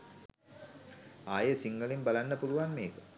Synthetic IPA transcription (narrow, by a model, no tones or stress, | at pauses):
aːjəsiŋɡəlimbalanːəpuluʋanmeːkə